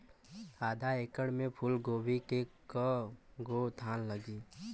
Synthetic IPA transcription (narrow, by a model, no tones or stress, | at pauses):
aːd̪ʱaeːkəɽmẽpʰʊlɡoːbikekəɡot̪ʰaːnləɡiː